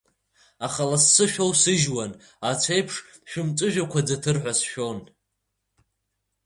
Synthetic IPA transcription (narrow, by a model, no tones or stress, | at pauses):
aχalasːɨʃᶣo̞wsɨʒwan | at͡sʷʰejpʰʂ | ʃᶣʊmt͡sʼɨʒᶣakʷʰad͡zatʰɨrħʷasʃᶣo̞n